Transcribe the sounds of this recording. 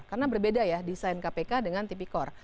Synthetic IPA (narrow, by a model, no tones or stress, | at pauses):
karnabərbedajadisajnkapekadəŋant̪ip̬ikɔr